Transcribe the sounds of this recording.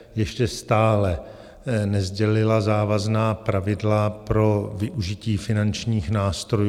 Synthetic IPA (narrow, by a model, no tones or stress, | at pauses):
jɛʃcɛst̪aːlɛ | nɛzɟɛlɪlazaːvaznaːpɾavɪdlapɾo̞vɪʔuʒɪciːfɪnant͡ʃɲiːxnaːst̪ɾoj